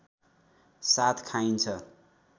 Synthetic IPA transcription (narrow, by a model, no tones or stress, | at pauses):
sat̪ʰkʰajnt͡sʰʌ